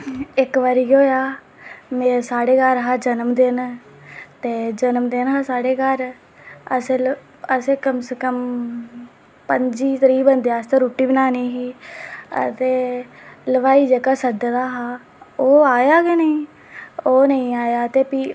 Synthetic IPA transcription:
ɪkʋəɾiːɡoːjaː | mẽːsaːɽeːkəɾɦaːd͡ʒənəmd̪ɪn | t̪eːd͡ʒənəmd̪ɪnɦaːsaːɽeːkəɾ | əse | əseːkəmsekəm | pəɲd͡ʒiːt̪əɾiːbənd̪aːst̪eːɾuːʈːiːbənaːniːɦiːə̰t̪eːləʋaːiːd͡ʒəkaːsəd̪d̪aːɦaː | oːaːjaːɡenəĩː | oːnəĩːaːjaːt̪eːpiː

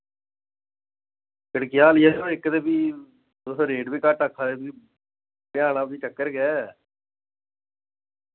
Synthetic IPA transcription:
kɪɽkɪjaːlɪjaːoːɪkːd̪eːbiː | d̪oːsõɾeːɖbiːkaʈakʰːaːd̪eːbiː | pɪjãːnaːd̪iːʈəkːəɾɡɛː

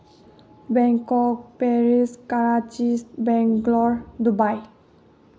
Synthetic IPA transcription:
bɛ̃ŋkɔk̚pɛɾiskaɾat͡ʃisbɛ̃ŋɡlɔɹd̪ubaj

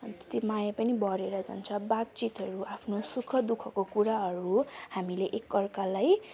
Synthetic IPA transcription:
t̪e̥t̪imajapʌnibʌɾeɾʌd͡za̰nt͡sʰʌbat̪̚t͡sit̪ɦʌɾuapʰnosukʰʌd̪ukʰʌkokuɾaɦʌɾuhamileʔekːʌrkalaj

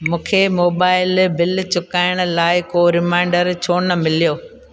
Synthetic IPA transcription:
mũːkʰemoːbaːɪlbɪlt͡ɕʊkaːɪɽ̃ʊ̆laːɪkoːɾɪmãːɪ̃ɳɖəɾt͡ɕʰoːnəmɪlijoː

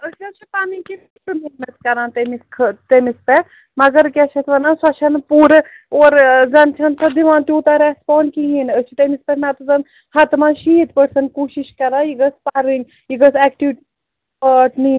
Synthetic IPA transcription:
ət͡ʃʰʲɐt͡ʃʰipaːniŋkifiʈɨminɐt̪kɐɾãːnt̪emiskʰət̪emispe | mɐɡɐɾkʲɐt͡ʃʰɐt̪ʰʋɐnãːnswɐt͡ʃʰɐnpuːɾ | oːɾzɐnt͡ʃʰɐnsʰɐd̪iʋãːnt̪ʲoːt̪aɾespoːɳɖkiɦinət͡ʃʰit̪emispenat̪uzɐn | hɐt̪maːʃit̪pəɾsɐnkuːʃiʃkɐɾaːjiɡəspaɾiŋɡ | jiɡəsɛːkʈiʋʈ | əʈniː

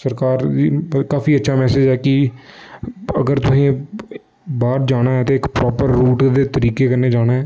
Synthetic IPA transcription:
səɾkaːɾiːkaːfiːətːʃʰaːmɛːsɪd͡ʒɛːkɪ | əɡəɾt̪ʊsĩː | baːɾd͡ʒaːɽ̃aːɦɛːt̪eːɪkpɾɔːpəɾːuːʈd̪eːt̪əɾiːkeːkəɾneːd͡ʒaːɽ̃aːɦɛː

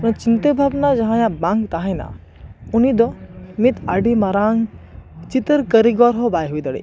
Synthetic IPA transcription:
nt͡ʃint̪ebʱabnad͡ʒɐɦãjãbãŋɡt̪aɦẽna̰ | unid̪ɔmit̪aɖimɐɾaːŋt͡ʃit̪əɾkəɾiɡɔɾɦobaːjɦujd̪əɽḭ

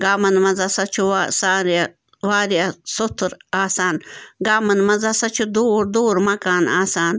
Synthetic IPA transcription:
ɡaːmɐnmɐzɐsɐt͡ʃʰuasaːɾa | ʋaːɾijɐsot̪ʰɾaːsaːnɡaːmɐnmɐzɐsɐt͡ʃʰud̪oːɾd̪oːɾmɐkaːnaːsaːn

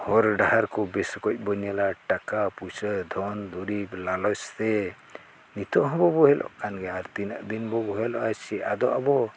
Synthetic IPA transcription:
hɔɾɖaɦaɾkɔbɛskɔc̚ˀbɔɲɛlaʈakapusəd̪ʱɔnd̪uɾiblalɔst̪ɛ | nit̪ɔʔɦɔbɔbɔɦɛlʔɔ̰ʔkanɡɛaɾt̪inəʔd̪inbɔbɔɦɛlɔʔasiad̪ɔʔabɔ

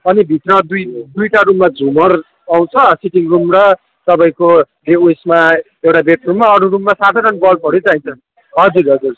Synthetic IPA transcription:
ʌnibʱit̪rʌd̪ujd̪ujʈaɾumːad͡zʱumʌr | aw̃t͡sʰʌsiʈiŋrumrʌ | t̪ʌpaĩko | beejsma | ewʈabeʈrumːaʌɾuɾumːasad̪ʱaɾʌnbʌlpʌɽet͡saĩnt͡sʰʌ | ɦʌd͡zuɾɦʌd͡zuɾ

